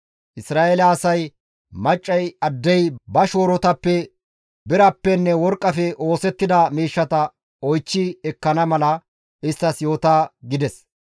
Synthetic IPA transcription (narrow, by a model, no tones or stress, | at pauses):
ʔɪsɾaːʔelɐːsɐj | mɐt͡ʃʼːɐjɐd̪ːɛjbɐʃoːɾɔt̪ɐpːɛ | bɪɾɐpːɛnːɛwɔɾkʼːɐfɛʔoːsɛt̪ːɪd̪ɐmiːʃːɐt̪ɐ | ɔjt͡ʃːɪɛkːɐnɐmɐlɐ | ɪst̪ːɐsjo̞ːt̪aːɡɪd̪ɛs